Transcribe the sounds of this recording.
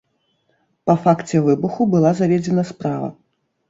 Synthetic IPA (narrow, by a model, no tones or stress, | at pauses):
pɐfakt͡sʲɛvɨbuxubɨlˠazavʲɛd͡zʲɛnɐspɾavɐ̰